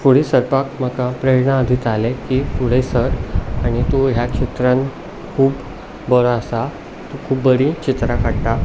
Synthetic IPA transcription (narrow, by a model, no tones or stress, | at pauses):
fuɽ̤isəɾpakm̤əkapɾeɾɳaːd̪ʱit̪alekifuɽesəɾaɽ̃it̪uɦjakɕit̪ɾãn | kʰuːb | bəɾaasa | t̪ukʰuːbbəɾĩt͡ɕit̪ɾakʰaɽt̪a